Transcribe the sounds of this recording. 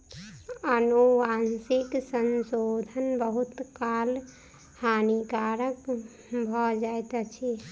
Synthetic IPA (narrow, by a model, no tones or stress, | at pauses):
ənuʋansiksənsod̪ʱənbəɦut̪kal | hanikaɾək | bʱɔd͡ʒaet̪at͡ʃʰi